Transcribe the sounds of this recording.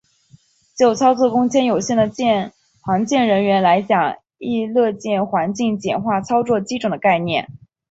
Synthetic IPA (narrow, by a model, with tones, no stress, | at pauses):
t͡ɕjo˥˩ʊt͡sʰɑ˥ʊt͡swɔ˥˩kʊ˥ŋt͡ɕʰjɛ˥njo˨˩ʊɕjɛ˥˩nd̪ə˩t͡ɕɛ˥˩ | xwɑ˧˥ŋt͡ɕjɛ˥˩nɻə˧˥nɥɛ˧˥nla˧˥ɪt͡ɕjɑ˨˩ŋ | i˥˧lɤ˥˧t͡ɕjɛ˥˩nxwa˧˥nt͡ɕi˥˩ŋt͡ɕjɛ̰˨˩nxwa˥˩t͡sʰɑ˥ʊt͡swɔ˥˧t͡ɕi˥ʈ͡ʂʰɤ˨˩ŋd̪ə˦ka˥˧ɪnjɛ̰˥˩n